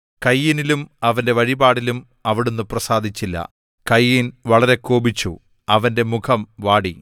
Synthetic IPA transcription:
kɐjːinilumɐʋɐnde̞ʋɐɻibaːɽilum | ɐʋiɽenːuprɐsaːd̪ʱit͡ɕːilːɐ̰ | kɐjːinʋɐɭɐɾe̞koːbit͡ɕːṵ | ɐʋɐnde̞mukʰɐmʋaːɽi

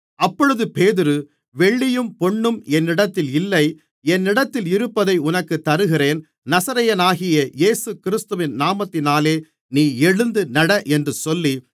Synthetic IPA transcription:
ɐpːɔɻɯðɯpeːðɪɾɯ | ʋɛɭːɪjɯmpɔɳːɯmɛnːɪɽɐt̪ːɪlɪlːɐɪ | ɛnːɪɽɐt̪ːɪlɪɾɯpːɐðɐɪʊnɐkːɯt̪ːɐɾɯɣɪreːn | nɐsɐɾɐjɐnaːɣɪjɐjeːsɯkɪɾɪst̪ɯʋɪnnaːmɐt̪ːɪnaːleː | niːɛɻɯnd̪ɯnɐɽɐʔɛndrɯsɔlːi

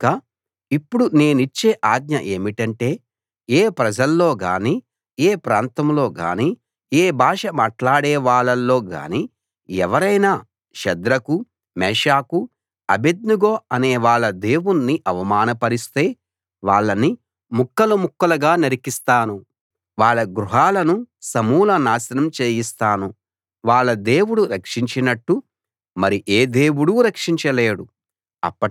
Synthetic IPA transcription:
ka | ipːuɽune̞ːnuit͡ʃːeːʔaːɡ̪ɲɐʔe̞ːmiʈɐɳʈe̞ː | eːpɾɐd͡ʒɐlːo̞ːɡa̰ːniː | eːpɾaːnt̪ɐmlo̞ːɡa̰ːniː | eːbʱaːʂɐmaːʈlaːɽeːʋaːɭːɐlːo̞ːɡa̰ːni | ɛ̰ʋɐɾɐjnaː | ʃɛd̪ɾɐku | mɛːʂaːku | ɐbed̪nuɡoːɐneːʋaːɭːɐd̪e̞ːwunːiʔɐʋɐmaːnɐpɐɾist̪e̞ː | ʋaːɭːɐni | mukːɐlumukːɐlɐɡaːnɐɾikist̪aːnu | ʋaːɭːɐɡɾuɦaːlɐnusɐmuːlɐnaːsɐnɐmt͡ʃeːjist̪aːnu | ʋaːɭːɐd̪e̞ːwuɽuɾɐkʂiɲt͡ʃinɐʈːu | mɐɾiʔeːd̪e̞ːwuɽuɾɐkʂiɲt͡ʃɐleːɽu | ɐ̰pːɐ

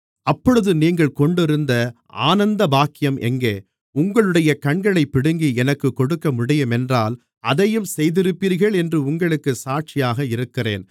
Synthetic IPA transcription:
ɐpːɔɻɯðɯniːŋɡɐɭkɔɳɖɪɾɯnd̪ɐ | a̰ːnɐnd̪ɐbaːkːɪjɐmʔɛ̰ŋɡeː | ʊŋɡɐɭɯɽɐjɐkɐɳɡɐɭɐɪpːɪɽɯŋɡiɛnɐkːɯkːɔɽɯkːɐmʊɽɐjɐmɛndraːl | ɐðɐjɯmsɛjðɪɾɯpːiːɾɣɐɭɛndrɯʊŋɡɐɭɯkːɯsaːʈ̚t͡ʃɪjaːɣɐɪɾɯkːɪrḛːn

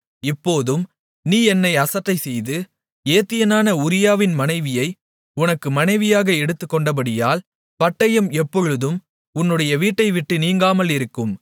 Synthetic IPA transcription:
ɪpːoːðɯm | niːɛnːɐɪɐsɐʈːɐɪsɛjðɯ | eːt̪ːɪjɐnaːnɐʊɾɪjaːʋɪnmɐnɐɪʋɪjɐɪ | ʊnɐkːɯmɐnɐɪʋɪjaːɣɐɛɽɯt̪ːɯkːɔɳɖɐp̬ɐɽɪjaːl | pɐʈːɐjɐmɛpːɔɻɯðɯm | ʊnːɯɽɐjɐʋiːʈːɐɪʋɪʈːɯniːŋɡaːmɐlɪɾɯkːɯm

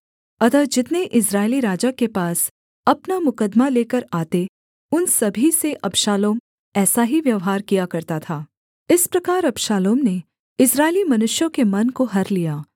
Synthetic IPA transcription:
ɐd̪əd͡ʒɪt̪neʔɪs̬ɾaːɪliɾaːd͡ʒakepaːs | ɐpnamʊkəd̪maleːkəɾaːt̪e | ʊnsɐbʱiseʔɐbʃaːloːm | ɛːsaɦiʋjɐʋɦaːɾkijakɐɾt̪at̪ʰaː | ɪspɾɐkaːɾɐbʃaːloːmne | ɪsɾaːɪlimɐnʊʃjõkemɐnkoɦɐɾlijaː

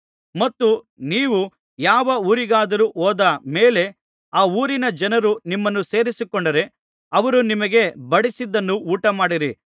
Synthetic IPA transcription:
mɐt̪ːu | niːʋu | jaːʋɐuːɾiɡaːd̪ɐɾuʔoːd̪ɐme̞ːle̞ | aːuːɾinɐd͡ʒɐnɐɾunimːɐnːuse̞ːɾisikɔɳɖɐɾe̞ | ɐʋɐɾunimɐɡe̞bɐɽisid̪ːɐnːuuːʈɐmaːɽiɾi

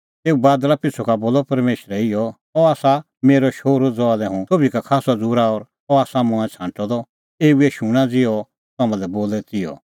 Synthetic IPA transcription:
t̪eːubaːd̪ɾapɪsʰɔkaboːlɔpɐɾmeːʃɾɛɪjɔ | ɔaːsa | meːɾɔʃoːɾod͡zɔalɛɦũt̪ʰoːbikakʰaːsɔd͡zuːɾaɔːɾ | ɔaːsamɔ̃ɛ̃t͡sʰãːʈɔd̪ɔ | eːueʃuɽ̃ãd͡zɪɔ | t̪aːmãlɛboːlɛt̪ɪjɔ̰

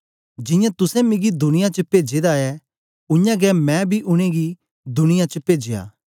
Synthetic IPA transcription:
d͡ʒɪ̃jãt̪ʊsɛ̃mɪ̃ɡid̪ʊnɪjãt͡ʃəpeːd͡ʒed̪aɛ | ʊ̃jãɡɛmɛ̃bʱiʔʊɽ̃ẽɡi | d̪ʊnɪjãt͡ʃəpeːd͡ʒeja̰ː

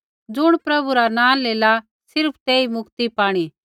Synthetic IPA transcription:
d͡zʊɽ̃pɾɐbuɾanãːleːla | sɪɾpʰt̪eːimʊkt̪ipaːɽ̃i

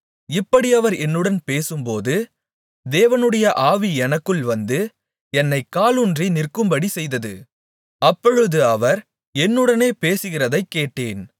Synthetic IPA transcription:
ɪpːɐɽiɐʋɐɾɛnːɯɽɐnpeːsɯmpoːðɯ | d̪eːʋɐnɯɽɐjɐʔaːʋiɛnɐkːɯɭʋɐnd̪ɯ | ɛnːɐɪkːaːlɯndrinɪrkɯmbɐɽisɛjðɐðɯ̰ | ɐpːɔɻɯðɯɐʋɐɾ | ɛnːɯɽɐneːpeːsɯɣɪrɐðɐɪkːeːʈːeːn

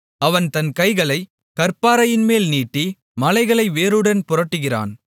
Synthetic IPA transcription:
ɐʋɐnt̪ɐnkɐɪɣɐɭɐɪ | kɐɾpaːɾɐjɪnmeːlniːʈːi | mɐlɐɪɣɐɭɐɪʋeːɾɯɽɐnpʊɾɐʈːɯɣɪra̰ːn

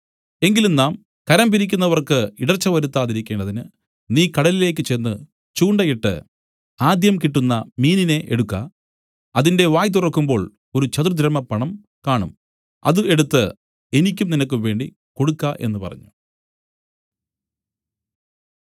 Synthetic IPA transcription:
e̞ŋɡilumnaːm | kɐɾɐmbiɾikʲːunːɐʋɐrkɨiɽɐrt͡ɕːɐʋɐɾut̪ːaːðiɾikʲːe̞ːɳɖɐðinɨ | niːkɐɽɐlile̞ːkːɨt͡ɕenːɨ | t͡ɕuːɳɖɐjiʈːɨ̰ | aːd̪jɐmkiʈːunːɐmiːnine̞ʔḛɽukːɐ̰ | ɐðinde̞ʋaːjt̪̬urɐkːumbo̞ːɭ | o̞ɾut͡ɕɐt̪rd̪ʱɾɐmːɐpːɐɳɐm | kaːɳṵm | ɐ̰ðɨe̞ɽut̪ːɨ | e̞nikʲːumninɐkːɨʋe̞ːɳɖi | ko̞ɽukːaʔe̞̰nːɨpɐ̰rɐ̰ɲːu

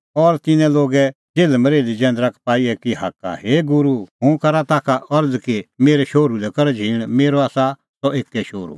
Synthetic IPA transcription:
ɔːɾt̪ɪnɛ̃loːɡɛ | d͡ʒeːlɛmɐɾeːlid͡ʒɛ̃ːnd̪ɾakʰpaːiɛkiɦa̰ːka̰heɡʊɾuɦũkɐɾat̪aːkʰaʔɔɾd͡zkemeːɾɛʃoːɾulɛkɐɾd͡ʒʱiːɽ̃meːɾoaːsa | sɔeːkːɛʃoːɾṵ

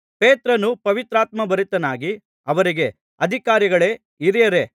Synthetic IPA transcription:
peːt̪ɾɐnupɐʋit̪ɾaːt̪mɐbɐɾit̪ːɐnaːɡi | ɐʋɐɾiɡe̞ | ɐd̪ʱikaːɾiɡɐɭe̞ | iɾijɐɾe̞

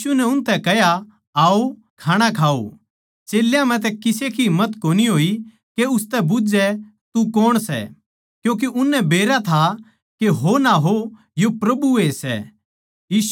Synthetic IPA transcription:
unɛʊnt̪ɛkɛɦja | aːo | kʰaːɽ̃akʰaːo̰ | t͡ʃeːljãm̤ɛ̃t̪ɛkɪsekimːət̪koːniɦoːi | keʊst̪ɛbʊd͡ʒɛ | t̪ukɔːɽ̃sɛ̰ | kjũːk̬eʔʊnːɛbeːɾat̪ʰa | keɦonaɦo | jopɾɐbuesɛ̰ | jiːs

